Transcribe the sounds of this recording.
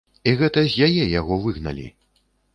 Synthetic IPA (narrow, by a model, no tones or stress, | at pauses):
iɣɛt̪ɐzʲjajɛjaɣɔvɨɣnɐ̰lʲḭ